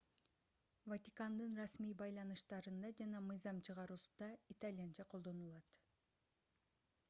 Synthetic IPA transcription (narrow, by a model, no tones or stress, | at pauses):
vat̪ʲikand̪ɯnrɑsmijbɑjlˠɑnɯʃt̪ɑɾɯnd̪ɑd͡ʒɑnɑmɯjzɑmt͡ʃʰɯʁɑɾusu̥d̪ɑit̪alʲijant͡ʃʰɑqʰo̞lˠd̪onulˠɑt̪